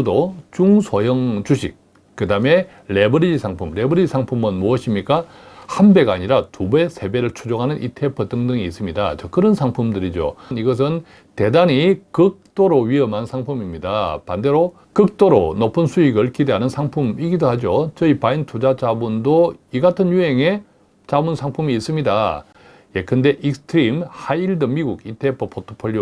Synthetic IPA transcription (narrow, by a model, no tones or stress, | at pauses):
dot͡ɕuŋsʰojʌŋt͡ɕuɕʰḭk̚ | k͈ːɯdame̞ | ɾe̞bʌɾid͡ʑisʰaŋpʰumɾe̞bʌɾid͡ʑisʰaŋpʰumɯnmuʌɕʰimɲik͈a | hanbe̞ɡaɲiɾatube̞sʰe̞be̞ɾɯɭt͡ɕʰud͡ʑoŋɦanɯnʔḭtʰe̞pʰɯt͈ʰɯŋdɯŋiːs͈ɯmɲida̰t͡ɕʌkɯɾʌnsʰaŋpʰumdɯɾid͡ʑo̰niɡʌs̬ʰɯn | te̞daɲikɯk̚t͈oɾoɥiʌmɦansʰaŋpʰumimɲida̰pande̞ɾo | kɯk̚t͈oɾo̰nopʰɯnsʰuiɡʌɭkʰideɦanɯnsʰaŋpʰumiɡidohad͡ʑot͡ɕʌipaintʰud͡ʑat͡ɕabundoiɡatʰɯnjuɦe̞ŋe̞ | t͡ɕabunsʰaŋpʰumiːs͈ɯmɲida̰ | jekɯnde̞ʔiksʰɯ̥tʰɯɾimhaiɭdɯmiɡuɡitʰe̞pʰopʰotʰopʰoʎːo